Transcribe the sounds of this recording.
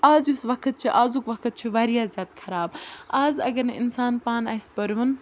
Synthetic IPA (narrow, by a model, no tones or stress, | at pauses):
aːzjusʋɐkʰət̪̚t͡ʃʰiʔaːzukʋɐkʰɨt̪̚t͡ʃʰiʋaːɾijaːzʲjaːt̪kʰɐɾaːbaːzɐ̰ɡɐɾneɪ̰nsaːnpaːnaːispɐɾʋɐn